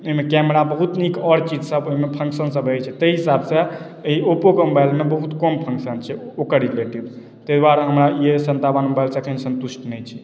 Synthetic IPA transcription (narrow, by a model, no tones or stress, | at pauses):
oɦimekɛmɾabəɦut̪nikɔɾt͡ʃid͡ʒsəboɦimepʰə̃ŋksənsəbɦəjt͡ʃʰɛt̪əiɦisabsə̃ | iopokmobajlmebəɦut̪kɔmpʰə̃ŋksənt͡ʃʰɛokəɾileʈib | t̪əjd̪waɾɦəmɾaiesənt̪abənmobajlsəkʰənsənt̪usʈnɛjt͡ʃʰi̥